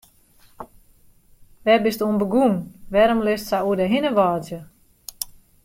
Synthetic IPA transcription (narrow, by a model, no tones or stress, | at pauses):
ʋɛbɪstuənbəɡunʋɛɾəmlɪstsauədəɦinəʋɔːzjə